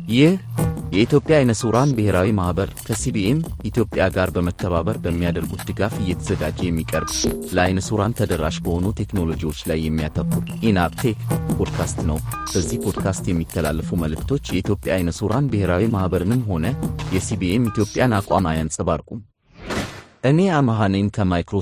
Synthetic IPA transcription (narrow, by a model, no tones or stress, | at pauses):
jɪhjɛit̪jo̞pʼːjaːjnəsuɾanbɨhe̞ɾawimahbəɾkʰəsibiemit̪jo̞pʼːjaɡaɾbəmət̪ʰːəβaβəɾbəmːijad̪əɾɡut̪̚d̪ɨɡafɨjːɛt̪ʰəzəɡad͡ʒːejɛmːikʼəɾbləajnəsuɾant̪ʰəd̪əɾːaʃbəho̞nut̪ʰe̞kno̞lo̞d͡ʒiwo̞t͡ʃːlajːɛmːijat̪ʰəkːuɾʔinabt̪ʰekpʰod̪kʰast̪nəwb̥əzːihpʰo̞d̪kʰast̪jɛmːik̪ːəla̰lːəfuməlɨkt̪ʰo̞t͡ʃːjɛit̪jo̞pʼjajnəsuɾanbɨhe̞ɾawimahbəɾɨnɨmɦo̞nəjɛsibiʔemit̪ʰjo̞pʼjanakʼamajansʼɨbaɾkʼum | ʔɨne̞amaɦanəjnkʰəmajkɾo